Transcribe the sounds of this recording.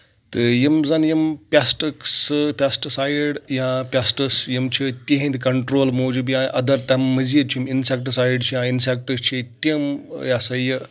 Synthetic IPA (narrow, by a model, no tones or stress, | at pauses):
t̪ɨjimzɐnjimpʲasʈɨksɨpʲasʈɨsaːjɽjãpʲasʈɨsjimt͡ʃʰit̪ʲiɦĩnd̪kɐɳʈɾoːlmoːd͡ʒubjãːʔɐd̪ɐɾt̪ɐmːɨziit͡ʃʰiminsek̚ʈɨsaːjɖt͡ʃʰijãinsek̚ʈɨst͡ʃʰit̪ʲimjãːsɐjɨ